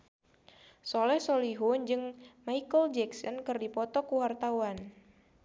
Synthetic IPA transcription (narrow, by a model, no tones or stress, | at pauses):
solɛhsoliɦund͡ʒɨŋmaikəld͡ʒɛksɔnkɨrdipɔt̪ɔkuwart̪awan